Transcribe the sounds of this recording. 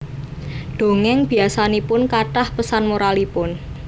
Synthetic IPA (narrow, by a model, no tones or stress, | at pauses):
ɖ̪̥o̤ŋɛŋb̥i̤asanipʊnkaʈahpəsanmoɾalipʊn